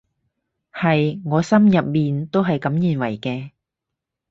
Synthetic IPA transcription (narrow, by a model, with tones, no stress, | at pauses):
hɐ˨jŋɔː˨˧sɐ˥mjɐ˨p̚miː˨nt̪o˥wɦɐ˨jkɐ˨˥mjiː˨˩nwɐ˨˩jkɛː˧